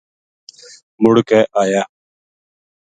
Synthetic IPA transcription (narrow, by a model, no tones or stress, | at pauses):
mʊɽkɛːʔaːjaː